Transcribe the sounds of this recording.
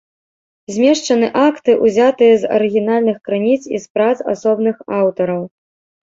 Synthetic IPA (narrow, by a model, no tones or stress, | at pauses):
zʲmʲɛʂt͡ʂɐnɨʔakt̪ɨʔuzʲat̪ɨjɐzɐ̰ɾɨɣʲinalʲnɨxkɾɨnʲit̪sḭspɾat̪sa̰sɔbnɨxawt̪ɐɾɐw